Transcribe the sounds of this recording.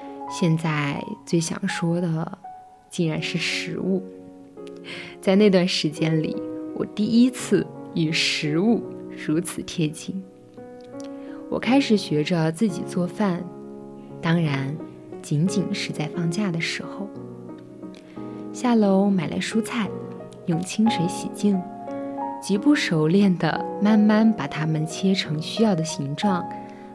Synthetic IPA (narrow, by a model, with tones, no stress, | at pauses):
ɕjɛ˥˧nt͡sa˥˧ɪt͡swe˥˩ɪɕjɑ̰˨˩ŋʂwɔ˥d̪ə˨ | t͡ɕi˥˩ɻa˧˥nʂɻ̩˥˩ʂɻ̩˧˥u˥˩ | t͡sa˥˧ɪna˥˧ɪt̪wa˥˩nʂɻ̩˧˥t͡ɕjɛ˥nlḭ˨˩˦wɔ̰˨˩t̪i˥˩i˥t͡sʰɹ̩˥˩y˨˩ʂɻ̩˧˥u˥˩ɻu˧˥t͡sʰɹ̩˨˩t̪ʰjɛ˥t͡ɕi˥˩ŋ | wɔ̰˨˩kʰa˥ɪʂɻ̩˨˩ɕɥɛ˧˥ʈ͡ʂə˧t͡sɹ̩˥˩t͡ɕḭ˨˩t͡swɔ˥˧fa˥˩n | t̪ɑ˥ŋɻa˧˥n | t͡ɕi˧˥nt͡ɕi˨˩nʂɻ̩˧˥t͡sa˥˧ɪfɑ˥˧ŋt͡ɕja˥˩d̪ə˩ʂɻ̩˧˥xo˧ʊ | ɕja˥˩lo˧˥ʊma˨˩ɪlʔa̰˧˥ɪʂu˥t͡sʰa˥˩ɪ | jʊ˨˩ŋt͡ɕʰi˥ŋʂwe˧˥ɪɕḭ˨˩t͡ɕi˥˩ŋ | t͡ɕi˧˥pu˥˩ʂo˨˩ʊljɛ˥˩nd̪ə̰˩ma˥˧nma˥˧npa˨˩t̪ʰa˥mə˨nt͡ɕʰjɛ˥ʈ͡ʂʰɤ˧˥ŋɕy˥jɑ˥˩ʊd̪ə˩ɕi˧˥ŋʈ͡ʂwɑ˥˩ŋ